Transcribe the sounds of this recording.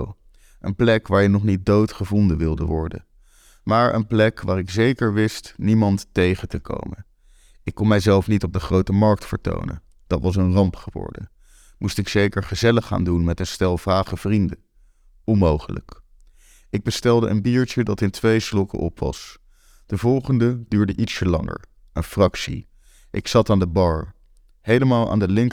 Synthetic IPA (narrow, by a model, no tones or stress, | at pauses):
ʔənplɛkʋaːɹjənɔχnit̚dowtχəvɔndəʋɪlˠdəʋɔɹdə̰n | maːɹə̰nplɛkʋaːɾɪkzejkəɹʋɪstnimɑntːejχətəkʰo̰wmən | ɪkːɔnmɛjzɛlˠfnitɔb̚dəχrowtəmɑɹk̚tfəɹto̰wnə̰n | d̥ɑtʋɑs̬ənrɑmpχəʋɔ̰ɹdə̰ | mustɪksejkəɹχəzɛləχːa̰ːndunmɛtənstɛlˠvaːχəv̥rində | ɔnmowχələ̰k | ɪɡ̚bəstɛlˠdəʔənbiːɹt͡ʃədɑtɪntʋejslɔkə̰ʔɔpʋɑ̰s | d̥əvɔlˠχəndədyːɹdəʔitsəlɑŋə̰ɹ | ənfrɑksḭ | ʔɪksɑtaːndəbɑɹ | hejləmaːlˠa̰ːndəlɪŋk